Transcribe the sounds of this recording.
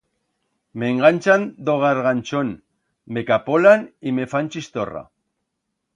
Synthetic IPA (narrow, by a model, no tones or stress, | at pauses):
meŋɡant͡ʃand̪oɣaɾɣant͡ʃon | mekapolanimefanʲt͡ʃist̪ora̰